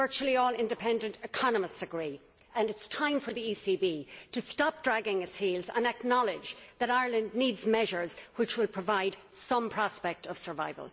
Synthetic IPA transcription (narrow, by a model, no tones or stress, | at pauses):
vɜ˞t͡ʃul̩ˠiɔːlˠɪ̃ndɨpʰɛ̃ndə̃ntɪkʰɑnəməstɨɡɹi | ə̃nɨtstʰãɪ̃ɱfə˞ðiisibitɨstɑp̚d̥ɹæɡɪ̃ŋɨtshilˠzə̰̃nək̚nɑlˠɪd͡ʒðəɾaɪə˞lə̃ndnidzmɛʒə˞z̥wɪt͡ʃwɪlˠpʰɹ̥əvaɪd̥sʌ̃mpʰɹ̥ɑspɛk̚tʰʌv̥sə˞va̰ɪvə̰lˠ